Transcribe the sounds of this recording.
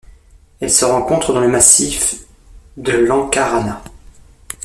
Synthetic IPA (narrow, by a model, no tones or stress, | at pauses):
ɛlsəʁɑ̃kɔ̃t̪χəd̪ɑ̃ləmasif | d̪əlɑ̃kaʁana